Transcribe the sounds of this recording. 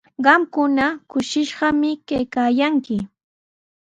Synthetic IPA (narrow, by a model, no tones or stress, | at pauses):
ɢɑmkʊnakʊʃɪʃɢɑmɪkajkaːjaŋkɪ